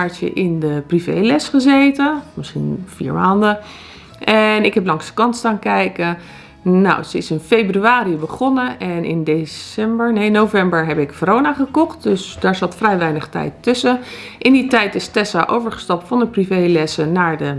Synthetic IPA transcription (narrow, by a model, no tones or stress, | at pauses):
aɹt͡ʃə̰ʔɪndəprivḛjlɛsχəzejtəmɪsχḭnfḭːɹmaːndə | ʔɛnɪkɦɛplɑŋsdə̥kɑnstaːnkɛjkə | o̰wsəɪsɪnfejbryaːɾibəχɔnəɛnɪ̰ndesɛmbəɹnejnowvɛmbəɹɦɛpɪkfoɾownaχəkɔχt̚dɵsdaːɹzɑtfrɛjʋɛjnəχtɛ̰jtːʏsə | ʔɪnditɛjtɪstɛsaʔowvəɹχə̥stɑp̚tfɑndəprivejlɛsənaːɹdə